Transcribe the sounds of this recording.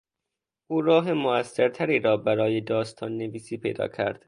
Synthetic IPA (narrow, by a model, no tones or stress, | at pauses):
ʔuːɾɒːɦemoæsːeɾt̪ʰæɾiːɾɒːbæɾɒːjed̪ɒːst̪ʰɒːnːe̞viːsiːpʰejd̪ɒ̰ːcʰæɾd̪̥